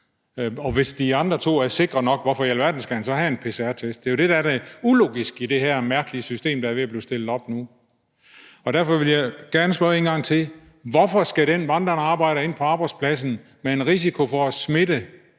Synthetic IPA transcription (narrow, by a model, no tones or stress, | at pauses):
ɒ̽ʋe̝sd̥iɑ̈nd̥ʁɐt͡sʰo̝̰ːæɐse̝ɡ̥ʁɐnɒ̽ɡ̥ʋɒfɒ̽jæl̰ʋæɐd̥n̩sɡ̥æhænsɒ̽hæenpʰe̝seæɐ̰t͡sʰesd̥̚d̥e̝jo̝d̥e̝d̥ædæulo̝̰ːɡ̥isɡ̥id̥e̝ɦæɐmæɐɡ̥əliəsysd̥e̝̰ːmd̥ɑɐʋe̝æb̥liːsd̥e̝l̰ð̩ˠɒ̽b̥nu | ɒ̽d̥æɐ̰fɒ̽ʋe̝ljɑ̈ɪɡ̥æɐnəsb̥ɶɐe̝ːnɡ̥ɑ̈ŋ̰t͡sʰe̝ | ʋɒfɒsɡ̥æɾ̥enʋɑ̈nd̥ɐnɑ̈ːb̥ɑ̈ɪ̰ɾ̥əe̝n̰pʰɒ̽ɑ̈ːb̥ɑ̈ɪdspʰlæs̬n̩ | mee̝nʁis̬ikʰo̝fɒæsme̝ɾə